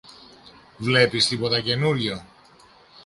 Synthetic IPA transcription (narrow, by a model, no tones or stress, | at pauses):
vle̞pist̪ipo̞t̪ɐce̞nuʎʝo